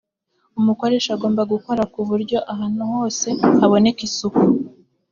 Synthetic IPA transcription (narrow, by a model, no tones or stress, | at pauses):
umuko̞ɾe̞ʃaɡo̞ːmbaɡuko̞ɾakuβuɾɟo̞ʔaɦaːnuho̞ːse̞haβo̞ne̞kisuku